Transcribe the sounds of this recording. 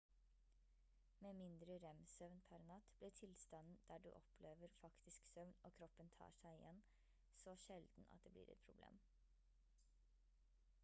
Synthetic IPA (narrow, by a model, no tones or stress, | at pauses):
meːmɪnd̪ɾəɾɛmsœʋnpʰæɾnɑt̪b̥lɪːʈʰɪlst̪ɑnn̩d̪̥æːɖʉ̰ːʔɔpʰleːʋəɾfɑkt̪ʰɪsksœʋnoːkʰɾɔpːənt̪ʰɑ̰ːʂæɪɪjɛ̰n | sɔʃɛld̪̥n̩ɑ̰t̪̚d̪eːblḭːɾɛ̰t̪̚pʰɾʊblḛːm